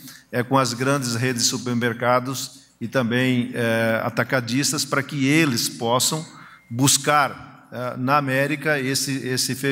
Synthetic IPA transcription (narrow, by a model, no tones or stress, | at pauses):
ɛkõɐzɡɾɐ̃nd͡ʒɪzɦed͡ʒɪsːupeɾmeɾkad̪ʊs | ɪt̪ɐ̃mbẽj̃ɛa̰t̪akad͡ʒist̪ɐspɾɐkɪelɪspɔsɐ̃w̃ | buskaɾ | ɛnɐamɛɾikɐesɪesɪfe